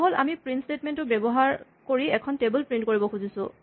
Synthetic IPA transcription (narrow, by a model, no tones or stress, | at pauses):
ɦola̰mipɹintstetmentʊbɛbɔɦaɹ | koɹiɛkʰɔntebʊlpɹintkoɹibɔkʰuzisʊ̰̃